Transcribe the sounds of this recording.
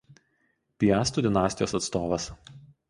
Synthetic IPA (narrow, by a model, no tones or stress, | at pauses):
pʲɪjæːst̪uːˑd̪ʲɪnɑːsʲt̪ʲɪjoːsɐt̪st̪oːʋɐs